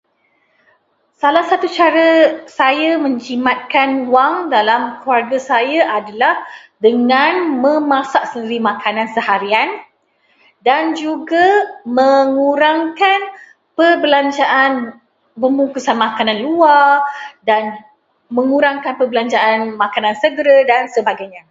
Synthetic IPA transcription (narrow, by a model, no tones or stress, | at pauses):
salahsat̪ut͡ʃaɾəsajamə̃ɲt͡ʃimãt̪̚kanwaŋdalamkuarɡasajaʔadalahdəŋanmə̃mãsaʔsəndiɾimãkʰanãnsəhaɾian | dand͡ʒuɡaməŋuɾaŋkan | pərbəlaɲt͡ʃaʔan | bəmukusanmãkanãnluadan | mə̃ŋũɾaŋkanpəbəlaɲt͡ʃaʔːnmãkanãnsəɡɾədansəbaɡajɲa